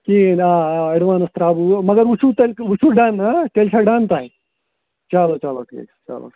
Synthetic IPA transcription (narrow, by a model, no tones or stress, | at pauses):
kiaɐɽʋanəst̪ɾabumɐɡəɾʋut͡ʃʰut̪elut͡ʃʰuɖanat̪elt͡ɕʰaɖant̪aɦe | t͡ɕalot͡ʃalokḛt͡ʃa̰lo̰